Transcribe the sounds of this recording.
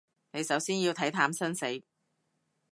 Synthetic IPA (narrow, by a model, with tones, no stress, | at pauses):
ne˨˧jsɐ˨˥wsiː˥njiː˧wt̪ʰɐ˨˥jt̪ʰaː˨˧˥msɐ˥nse˨˥j